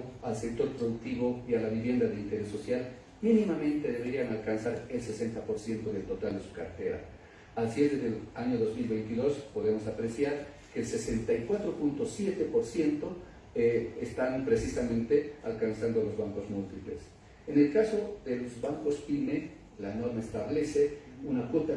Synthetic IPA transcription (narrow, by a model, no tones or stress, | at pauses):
alse̞k̚t̪o̞ɾpɾo̞ðuk̚t̪iβo̞ialaβiβje̞nd̪aðeint̪e̞ɾe̞sːo̞sjal | minimamẽ̞nt̪e̞ðe̞βe̞ɾianalkansaɾe̞lse̞se̞nt̪apo̞ɾsje̞nt̪o̞ðelt̪o̞t̪ald̪e̞su̥kaɾt̪e̞ɾa̰ | alsjezd̪eðelaɲo̞ðo̞zmilβe̞jnt̪iðo̞spo̞ðemo̞sapɾe̞sjaɾ | ke̞ːlse̞se̞nt̪ajkwat̪ɾo̞punt̪o̞sjet̪e̞po̞ɾsje̞nt̪o̞ | est̪anpɾe̞sisamẽ̞nt̪e̞alkansand̪o̞lo̞zβaŋko̞zmult̪iplḛs | ene̞lkaso̞ðe̞lo̞zβaŋko̞spime̞ | lano̞ɾmaest̪aβle̞se̞unakwot̪a